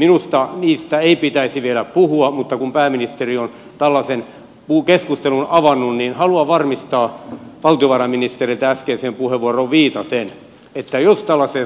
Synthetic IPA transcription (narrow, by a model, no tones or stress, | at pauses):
minust̪ɑniːst̪æeipit̪æisiʋielæppuhuɑmut̪ːɑkumpæːminist̪erion | t̪ælːɑsen | pukeskust̪elunɑʋɑnːunninhɑluɑʋɑrmist̪ɑːʋɑlt̪ioʋɑrɑminist̪erilt̪æskeːseːmpuheʋʋuoroʋʋiːt̪ɑt̪en | et̪ːæjost̪ælːɑse